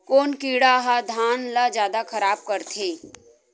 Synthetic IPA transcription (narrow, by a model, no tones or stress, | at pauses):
koːnkiːɽaɦad̪ʱaːnlad͡ʒjaːd̪akʰɐɾaːb̚kɐɾt̪ʰeː